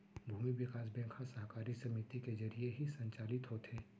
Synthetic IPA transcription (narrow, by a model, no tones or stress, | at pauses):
bʱuːmiʋɪkaːsbɛ̃kʰhasɐɦkaːɾisɐmit̪ikezɐɾieɦisɐ̃ɲt͡ʃaːlɪt̪ɦoːt̪ɦeː